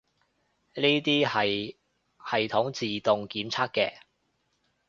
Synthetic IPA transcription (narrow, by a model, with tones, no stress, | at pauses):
niː˥t̪iː˥hɐ˨j | hɐ˨jt̪ʰʊ˨˥ŋt͡siː˨t̪ʊ˨ŋkiː˨˥mt͡sʰaː˥k̚kːɛː˧